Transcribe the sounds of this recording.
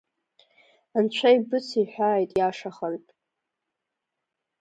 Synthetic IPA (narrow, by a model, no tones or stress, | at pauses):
ant͡ɕʷʰajbɨt͡sʰiħʷᶣaːjtʼjaʂaχərtʼ